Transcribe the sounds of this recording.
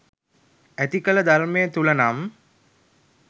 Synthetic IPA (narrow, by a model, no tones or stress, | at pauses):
æt̪ikələd̪aɾmejət̪ulənam